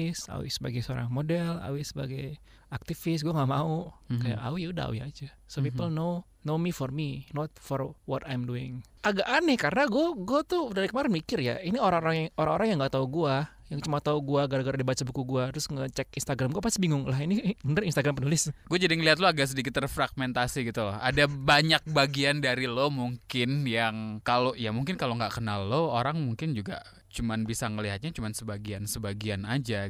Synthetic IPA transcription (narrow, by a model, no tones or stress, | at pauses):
sa̰wɪ̰səba̰ɡajso̰ɾa̰ŋmodɛla̰wɪsəba̰ɡaj | ak̚t̪ifɪs̬ɡuaŋaʔmaukaja̰ʔa̰wijuda̰a̰wḭa̰d͡ʒa | sopipəlno | nomifɔrminɔt̪̚fɔrwɔt̪ajmduɪŋ | aɡaʔanɛhkaɾənaɡuaɡuat̪udaɾikəmaɾɪnmikɪrja̰inioɾaŋoɾaŋjoɾaŋoɾaŋjaŋɡaʔt̪auɡua | jaŋt͡ʃumat̪auɡuaɡaɾaɡaɾadibat͡ʃabukuɡuat̪ɾʊsŋət͡ʃɛkinst̪aɡɾamɡuapasibiŋʊŋlahinibənərinst̪aɡɾampənulɪsɡ̥uad͡ʒadiŋəliɦat̪loaɡaʔs̬ədikɪt̪ːərfɾaɡ̚mɛnt̪asiɡit̪ulɔha̰dabaɲak̚baɡiandaɾilomuŋkɪnjaŋkaloʔjamuŋkɪnkaloŋɡaʔkənalːooɾaŋmuŋkɪnd͡ʒuɡa̰ | t͡ʃumanbisaŋəliɦat̪̚ɲat͡ʃumansəbaɡiansəbaɡianad͡ʒa